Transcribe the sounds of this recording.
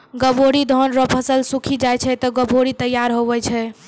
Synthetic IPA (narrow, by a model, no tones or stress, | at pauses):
ɡəboɽid̪ʱɔnɾɔpʰəsəlsukʰid͡ʒajt͡ʃʰɛt̪ɔɡəbʱoɽit̪əjːaɾɦoʋɛt͡ʃʰɛ